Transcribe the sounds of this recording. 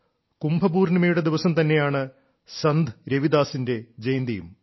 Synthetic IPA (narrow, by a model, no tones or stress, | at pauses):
kumbʱɐbuːrnɐmɐjuɽe̞d̪iʋɐsɐmt̪ɐnːe̞jaːɳɨ | sɐnd̪ʱɨɾeʋid̪aːsinde̞d͡ʑejnd̪ɐjṵm